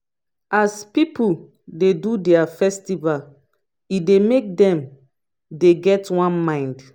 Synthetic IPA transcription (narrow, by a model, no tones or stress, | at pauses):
aspipu | dedudɛafɛstival | idemek̚dɛ̃m | deɡɛtwãnmãɪ̃nd